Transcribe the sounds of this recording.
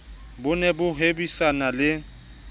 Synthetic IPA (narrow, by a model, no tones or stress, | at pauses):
bʊnɛbʊɦebisanalɪ